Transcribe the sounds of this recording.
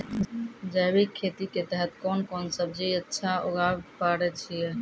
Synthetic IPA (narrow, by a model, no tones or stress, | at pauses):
d͡ʒajbikʰːet̪iket̪ɛɦɛt̪kɔnkɔnsəb̚d͡ʒiətːʃʰao̰ɡabpaɾɛt͡ʃʰijɛ